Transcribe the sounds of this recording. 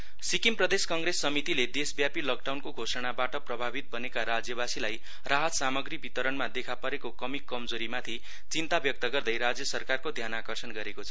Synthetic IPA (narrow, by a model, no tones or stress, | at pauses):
sikimprʌd̪eskʌŋɡresːʌmit̪iled̪esbjapilʌk̚ɖawnkoɡʱosʌɽ̃abaʈʌprʌbʱabit̪̚bʌnekaɾad͡zjʌβasilaj | raɦʌt̪samʌɡribit̪ʌɾʌnmad̪ekʰapʌɾekokʌmikːʌmd͡zoɾimat̪ʰi | t͡sint̪abjʌk̚t̪ʌɡʌrd̪ʌjɾad͡zjʌsʌrkarkod̪ʱjanakʌrsʌnɡʌɾekot͡sʰʌ